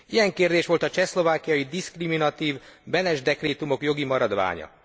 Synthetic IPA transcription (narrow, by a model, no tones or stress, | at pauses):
ijɛŋkeːrd̪eːʃʋo̞lt̪ɒt͡ʃɛslo̞vaːkijɒjid̪iskriminɒt̪iːvbɛnɛʒd̪ɛkreːt̪umo̞kjo̞ɡimɒɾɒd̪ʋa̰ːɲɒ̰